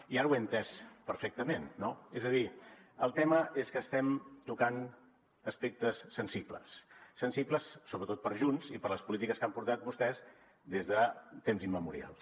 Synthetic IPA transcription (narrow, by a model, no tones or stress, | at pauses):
iaɾəwent̪ɛspəɾfɛk̚t̪əmenːoezəðiəlˠt̪ɛməʔeskəːst̪ɛmt̪ukan | əspek̚t̪əsːənsiplə̰sːənsipləsːoβɾət̪ot̪̚pəɾʒunzipəɾləspulit̪ikəskampuɾt̪at̪̚βust̪ɛz | d̪ezðət̪emzimːəmuɾḭa̰lˠ